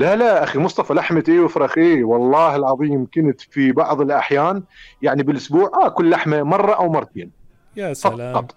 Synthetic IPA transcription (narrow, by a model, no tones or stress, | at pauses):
lalaʔaximʊsˤt̪ˤɑfɑlaħmat̪ʔeːwɪfɾˤɑxʔeːwɑlˤːɑːhɪlʕɑðˤiːmkɪnt̪fibɑʕðˤɪlʔaħjaːnjaʕnibɪlʔʊsbuːʕʔakʊlːaħmamɑrˤːɑʔawmɑrˤːɑt̪ḛːn | fɑɑt̪ˤ